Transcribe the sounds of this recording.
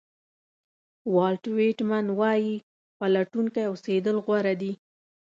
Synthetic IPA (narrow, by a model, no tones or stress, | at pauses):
wɑlʈweʈmanwɑji | pəlaʈuŋkajosed̪əlɣwaɾad̪i